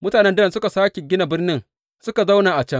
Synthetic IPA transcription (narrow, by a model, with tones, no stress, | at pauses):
mʊ˦taː˨nɛ˦ndɐ˦ɾɐ˨sʊ˦ka˨saː˦kʲe˨ɡʲɪ˦na˨bɪ˦rnɪ˦ŋ | sʊ˦ka˨za˦wnaː˨ʔa˨t͡ʃɛ˦ŋ